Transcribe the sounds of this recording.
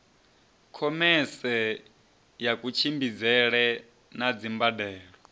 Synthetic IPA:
kʰɔmɛsɛ | jakut͡ʃʰimbid͡zɛɺɛ | nad͡zimbadɛːɺɔ

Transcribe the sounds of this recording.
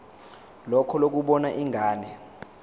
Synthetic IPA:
lɔkʰɔlok̬uɓɔnaʔiŋʱaːnɛ

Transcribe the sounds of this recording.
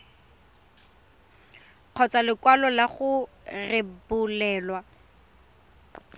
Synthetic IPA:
q͡χʰɔt͡salɪkwalɔlaχʊ | rɪbʊlɛːlwa

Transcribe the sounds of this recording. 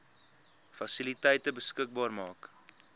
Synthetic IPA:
fɐsilitəjtəbəskək̚bɑːrmɑːk

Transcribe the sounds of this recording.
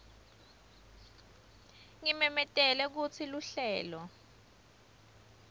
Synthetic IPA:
ŋimɛmɛtʼɛlɛk̬ut͡sʰiluɬɛːlɔ

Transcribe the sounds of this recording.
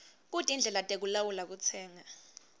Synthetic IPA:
k̬utʼind͡ɮʱɛlatʼek̬ulawulak̬ut͡sʰɛːŋa

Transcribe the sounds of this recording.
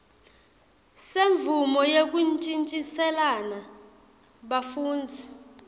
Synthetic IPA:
seɱvumɔjek̬ʼunt͡ʃʼint͡ʃʼisɛlana | ɓafuːnd͡zʱi

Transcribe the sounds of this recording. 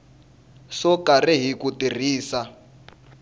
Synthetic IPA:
sɔkariɦikutir̤iːsa

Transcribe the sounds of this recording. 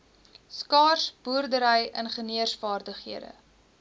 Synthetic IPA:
skɑːrsbuərdəɾəjənχəniərsfɑːrdəχɦiədə̰

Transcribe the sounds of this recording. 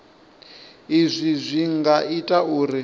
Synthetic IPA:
izʷizʷiŋɡaitʼauːɾi

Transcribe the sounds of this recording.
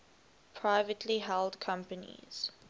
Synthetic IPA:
pʰɹaɪvətʰliɦɛldkʰãmpənḭz̥

